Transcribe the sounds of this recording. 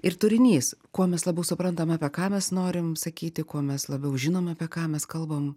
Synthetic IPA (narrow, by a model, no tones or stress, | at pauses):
ɪrt̪ʊɾʲɪnʲiːskuɔmʲɛslˠɐbʲɛʊsʊpɾɐnt̪ɐmɑːpʲɛkɑːmʲɛsnoːɾʲɪmsɐkʲiːt̪ʲɪkuɔmʲɛslˠɐbʲɛʊʒʲɪnoːmɑːpʲiɛkɑːmʲɛskɐlˠbɐm